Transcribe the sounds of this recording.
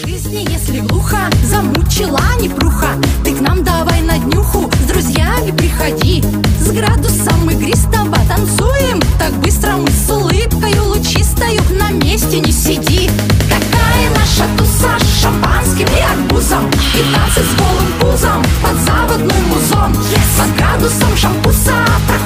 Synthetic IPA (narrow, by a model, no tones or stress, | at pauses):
ʐɨzʲnʲɪjesʲlʲɪɡlˠuxɐzɐmut͡ɕɪlˠanʲɪpɾuxat̪ɨknamd̪ɐvajnɐd̪ʲnʲuxʊzd̪ɾʊzʲjamʲɪpɾʲɪxɐdʲi | zɡɾad̪ʊsəmːɨɡɾʲɪst̪abɐt̪ɐnt̪sujɪmt̪ak̚bɨst̪ɾəmɨslˠɨpkəjʊlˠʊt͡ɕist̪ɐjʊnɐmʲesʲtʲɪnʲɪsʲɪdʲi | kɐkajɐnaʂɐt̪ʊsaʂːɐmpanskʲɪmɪɐɡbuzəmpʲɪt̪nat̪sɨtʲzɡolˠɨmpuzəmpɐd̪zapəd̪nɨjmʊzom | zɡɾad̪ʊsəmʂɐmpʊsat̪ɐ